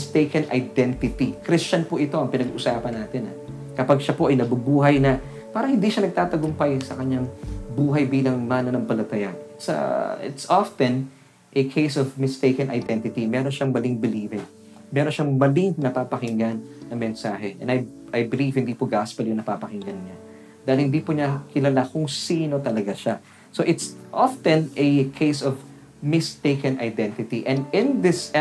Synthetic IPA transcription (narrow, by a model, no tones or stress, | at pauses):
mst̪ejkɐnʔɐ̰jd̪ɛnt̪ɪt̪ikɾist͡ʃɐnpoʔɪt̪o̞ʔɐŋpɪnɐɡuʔʊsaːpɐnːaːt̪ɪnɐ̰ | kɐpaɡ̚ʃɐpo̞ʔɐjnɐbɐbuːɦɐjnɐ | paːɾɐŋhɪnd̪iʃɐnɐɡ̚t̪aːt̪ɐɡʊmpajsɐkɐɲaŋbuːɦɐjbiːlɐŋmaːnɐnɐŋpɐlɐt̪ɐjansɐ̰ɪ̰t̪sʔaft̪ɛ̃n | ʔɛkʰejsɔvmɪst̪ejkɐnʔɐ̰jd̪ɛnt̪ɪt̪imɛːɾo̞nʃɐŋmɐlɪŋbɪliːvɪŋ | mɛːɾonʃɐŋmɐlɪŋnɐpapɐhɪŋɡanːɐŋmɛnsaːɦɛʔɛ̰nɐjʔɐjbɪlivhɪnd̪iːpʊɡaspɐljʊŋnɐpapɐhɪŋɡɐnɲa | d̪aːhɪlhɪnd̪iːpʊɲakɪlɐlakʊŋsiːno̞t̪ɐlɐɡaʃa | soʔɪt̪sʔaft̪ɛ̃nɛkʰejsɔv | mɪst̪eɪkɐnɐjd̪ɛ̃nt̪ɪt̪iʔɛnd̪ɪ̃nðɪs